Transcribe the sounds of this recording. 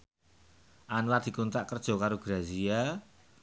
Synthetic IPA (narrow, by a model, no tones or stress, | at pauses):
ʔanwad̪̥i̤kunt̪aʔkərd̥ʒ̥ɔ̤kaɾoɡ̥ɾazia